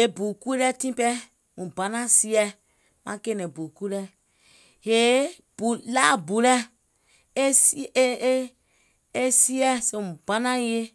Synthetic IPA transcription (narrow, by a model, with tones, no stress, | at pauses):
e˨bu˨ku˦lɛ˦tĩ˦pɛ˦ | mũ˨bã˨˦nã˦si˦ɛ˦ | mã˦ke˦nɛ̃˨bu˨ku˦lɛ˦ | he˨˦ | bu˨la˦˨bu˨lɛ˦ | s | e˦si˦ɛ˦se˨mũ˨ba˦nã˦je˦